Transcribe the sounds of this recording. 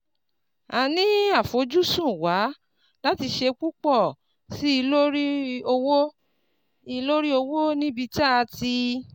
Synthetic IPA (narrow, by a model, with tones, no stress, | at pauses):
a˧nĩ˦a˦˨fo˨˦d͡ʒu˦sũ˦˨wa˨˦ | la˦ti˧ʃe˧k͡pu˦k͡pɔ˦˨ | si˦i˧lo˦ɾi˦o˧wo˦ | i˧lo˦ɾi˦o˧wo˦nĩ˦bi˧t͡ʃa˦˧ti˧